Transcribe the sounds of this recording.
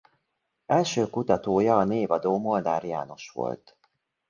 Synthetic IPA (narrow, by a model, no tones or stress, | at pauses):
ɛlʃøːkut̪ɒt̪oːjɒːneːvɒd̪oːmo̞ld̪aːɾija̰ːno̞̰ʃʋo̞̰lt̪